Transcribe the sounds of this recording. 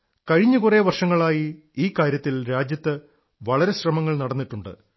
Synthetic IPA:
kɐɻiɲːukure̞ʋɐrʂɐŋːɐɭaːji | iːkːaːɾjɐt̪ːilɾaːd͡ʑjɐt̪ːɨ | ʋɐɭɐɾe̞ɕrɐmɐŋːɐɭnɐɽɐnːiʈːuɳɖɨ̰

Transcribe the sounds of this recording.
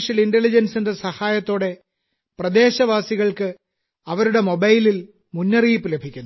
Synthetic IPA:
ʂɐlinde̞lid͡ʑɐnsindesɐhaːjɐt̪ːo̞ːɽe̞ | prɐd̪e̞ːɕɐʋaːsiɣɐɭkɨ | ɐʋɐɾuɽe̞mo̞bɐjlil | munːɐriːpːɨlebʱikʲːunː

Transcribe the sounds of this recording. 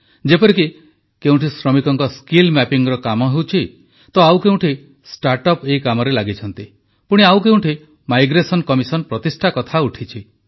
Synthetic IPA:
d͡ʒepɔɾiki | keũʈʰisɾɔmikɔŋkɔskilmɛpiŋɾɔkamɔɦewt͡ʃʰi | t̪ɔawkeũɳʈʰi | sʈaɾʈɔpeikamɔɾelaɡit͡ʃʰɔnt̪i | puɽ̃iawkew̃ʈʰi | majɡɾesɔnkɔmisɔnpɾɔt̪isʈʰakɔt̪ʰauʈʰit͡ʃʰi

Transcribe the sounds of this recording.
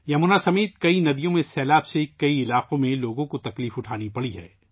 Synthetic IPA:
jɐmʊnasɐmeːt̪̚kɐinɐd̪ijõmẽsɛːlaːbsekɐiɪlaːqõmẽloːɡõkot̪ɐkliːfʊʈʰaːnipɐɽiɦɛ̰ː

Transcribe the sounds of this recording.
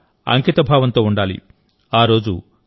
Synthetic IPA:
ɐ̰ŋkit̪ɐbʱaːʋɐnt̪o̞ːuɳɖaːlḭ | aːɾo̞ːd͡ʒu

